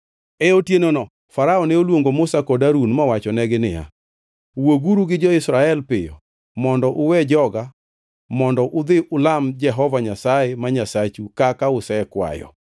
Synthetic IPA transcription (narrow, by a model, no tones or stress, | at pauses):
ɛotjenonɔ | faɾaɔnɛolwoŋɡomʊsakɔdaɾunmawat͡ʃɔnɛɡɪnɪja̰ | woɡuɾuɡɪd͡ʒɔɪsɾaɛlpɪjɔ̰ | mɔndɔʔʊwɛd͡ʒɔɡa | mɔndɔʔʊd̪ɪʔʊlamd͡ʒɛɦɔvaɲasaɛmaɲasat͡ʃukakaʊsɛkwa̰jɔ̰